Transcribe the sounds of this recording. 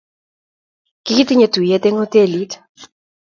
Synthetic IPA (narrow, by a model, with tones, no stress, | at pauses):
ki˦ki˦tɪ˦ɲe˦tu˨jɛ˦t̪e˦ŋo˦te˦˨li˨˦t